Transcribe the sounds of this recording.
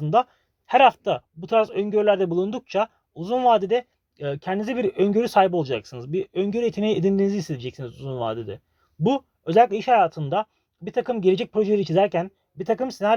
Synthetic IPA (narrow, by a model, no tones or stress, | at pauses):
ɯnd̪a | hæɾhaft̪ʰabut̪ʰɾasøɲɟøɾylʲæɾd̪ɛbulˠund̪uk̚t͡ʃʰa | uzunvaːd̪ed̪ɛ | cʰɛnd̪inizɛbiɾøɲɟøɾysaːjibo̞lˠad͡ʒaksɯnɯzbiøɲɟøɾet̪ʰinejied̪ind̪iniziːsed̪ʰid͡ʒɛcsinizuzunva̰ːd̪ed̪ɛ | bu | ø̞zɛlʲicʲlʲɛiʃhajaːt̪ʰɯnd̪a | biɾt̪ʰakʰɯmɟelʲe̞d͡ʒɛc̚pɾo̞ʒelʲeɾit͡ʃʰizæɾcæn | biɾt̪ʰakɯmsenaɾ